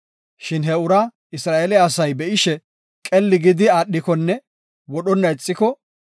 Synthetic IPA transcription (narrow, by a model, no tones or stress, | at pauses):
ʃɪnɦɛʊɾɐ | ɪsɾaːʔelɛːsɐjbɛʔɪʃɛ | kʼɛlːɪɡɪd̪ɪaːɗːɪkɔnːɛ | wɔɗɔnːɐɪt͡sʼːɪkɔ